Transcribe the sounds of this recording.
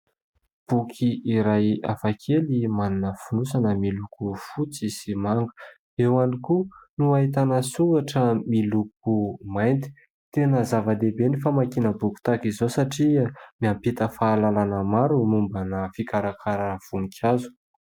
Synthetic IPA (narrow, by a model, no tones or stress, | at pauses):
b̥ukʰiiɾaja̰fakʰelimaninəfunusanəmilukufut͡sisimaŋɡu̥ | ewanikunuaɦit̪anəsuaʈ͡ʂəmiluk̚umajnt̪i̥ | t̪enəzavəd̪ebenifamakinəbuku̥t̪akizosaʈ͡ʂimiampit̪əfaːlalanəmaɾumumbanəfikaɾakʰaɾav̥uŋikʲʰazu̥